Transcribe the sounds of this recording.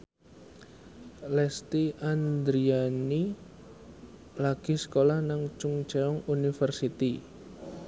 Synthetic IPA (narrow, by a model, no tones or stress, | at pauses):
lɛst̪iand̪ɾiani | laɡ̥isə̥kolahnaŋt͡ʃuŋt͡ʃaɔŋunifərsit̪i